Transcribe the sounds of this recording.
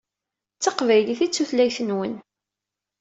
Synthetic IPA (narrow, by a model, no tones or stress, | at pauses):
t͡sːɑqvæjliθit͡sːuθlæjθənwən